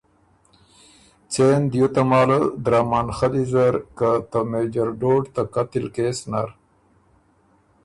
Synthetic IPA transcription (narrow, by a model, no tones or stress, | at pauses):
t͡seːnd̪jot̪amaːləd̪ɾaːmaːnxad̪izɐɾkat̪əmeːd͡ʒɐɾɖoɖt̪akat̪ilkeːsnaɾ